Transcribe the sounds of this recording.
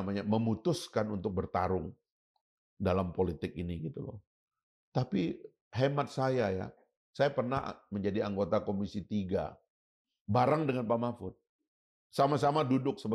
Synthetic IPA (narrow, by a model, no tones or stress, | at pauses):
maɲaməmut̪ʊskanunt̪ʊk̚bərt̪aɾʊŋ | dalampolit̪ɪk̚iniɡit̪ulɔ̰ | t̪api | ɦemat̪̚sajaja̰ | sajapərnaɦməɲd͡ʒadiaŋɡot̪akomisit̪iɡa̰ | baɾaŋdəŋanpamafʊt̪̚ | samasamadudʊk̚səb